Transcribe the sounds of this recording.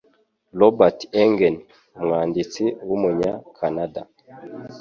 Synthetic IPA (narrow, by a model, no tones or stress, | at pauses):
lɔbatɛŋɡɛn | mŋaːndit͡siwumuɲa̰kʰanada